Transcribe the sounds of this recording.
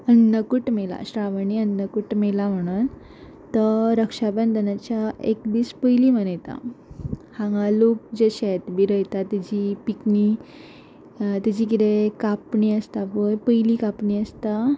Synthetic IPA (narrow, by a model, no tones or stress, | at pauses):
ənəkuʈmela̰ɕɾaʋəniənːəkuʈmelam̤əɽ̃un | t̪əɾəkʂabənd̪ənat͡ɕjaekd̪iːspəjlimənəjt̪a̰ | hãŋɡalok̚d͡ʑeɕet̪biɾəjt̪at̪id͡ʑipikni | t̪id͡ʑikit̪ekapɳiəst̪apəjpəjlikapɳiəst̪a